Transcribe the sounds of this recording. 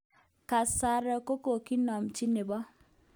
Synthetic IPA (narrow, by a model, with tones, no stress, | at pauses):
ka˨sa˦ɾɔ˨ko˦ko˨ki˦nɔ˨mt͡ʃi˦ne˨bɔ˦